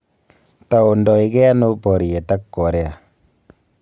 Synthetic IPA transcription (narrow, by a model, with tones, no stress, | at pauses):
ta˨o˨ndɔ˨i˨kɛ˦a˦no˦pɔ˨ɾi˨jɛ˨ta˦kːo˨ɾɛ˦a˨